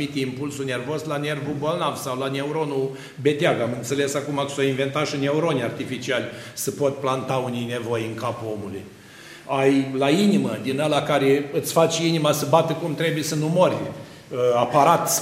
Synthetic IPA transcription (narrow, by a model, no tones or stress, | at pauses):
it̪ʲimpulsune̞rvo̞zlane̞rvubo̞lnavsawlane̞uɾo̞nu | be̞t̪eaɡamɨnt̪se̞le̞sakumasoinve̞nt̪aʃine̞uɾo̞nʲart̪ifit͡ʃialʲsəpo̞t̪ʲplant̪aunijne̞vojɨŋkapuo̞muluj | ajlainiməd̪inalakaɾeɨt̪sʲfat͡ʃʲinimasəbat̪əkumt̪ɾe̞bujesənumorʲ | apaɾat̪